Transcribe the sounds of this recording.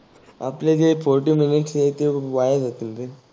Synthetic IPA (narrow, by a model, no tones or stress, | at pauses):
a̰plet̪efoɾʈiːminiʈset̪eʋajad͡zat̪int̪e